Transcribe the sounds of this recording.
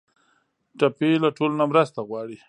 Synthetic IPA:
ʈapelaʈolonamɾast̪aɣwɑɽi

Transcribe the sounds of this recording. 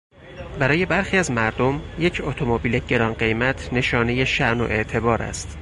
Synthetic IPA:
bæɾɒːje̞bæɾxiːæzmæɾd̪o̞mje̞cʰot̪ʰomobiːle̞ɟe̞ɾɒːnɢe̞jmæt̪ʰne̞ʃɒːne̞je̞ʃæʔno̞̰ʔe̞ʔt̪ʰe̞bɒːɾæ̰st̪

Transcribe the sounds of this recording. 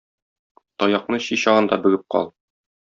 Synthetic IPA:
t̪ɒjɑqnɤɕiɕɑʁɤ̆nd̪ɑbɘ̆ɡɘp̚qɒ̰lˠ

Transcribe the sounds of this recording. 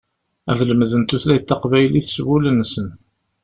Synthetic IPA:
æ̰ðləmðənt̪uθlæjt̪ːɑqvæjliθswulənːsən

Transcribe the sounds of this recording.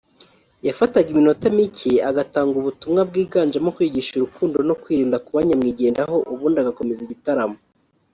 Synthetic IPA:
jafataɡimino̞temicʰiaɡataːŋɡuβutumŋab̚ɡiːɡaːnd͡ʒamokwiːɟiʃuɾukuːndo̞no̞kwiːɾiːndakuβaɲamŋiːɟe̞ːndaɦo̞ʔuβuːndaɡako̞meziɟitaɾamo

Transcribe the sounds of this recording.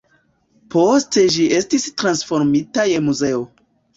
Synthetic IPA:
po̞ste̞ʒiʔe̞stistɾansfo̞ɾmitaje̞muze̞o̞

